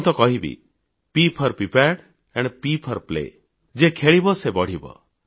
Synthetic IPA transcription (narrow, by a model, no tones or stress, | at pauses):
nt̪ɔkɔɦibḭ | pipʰɔɾpipaɖ | eɳɖpipʰɔɾplḛ | d͡ʒekʰeɭibɔsebɔɽ̤ibɔ̰